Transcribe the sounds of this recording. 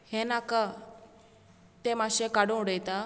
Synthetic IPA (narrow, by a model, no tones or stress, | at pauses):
henaka | t̪emaɕẽkaɽũɽəjt̪a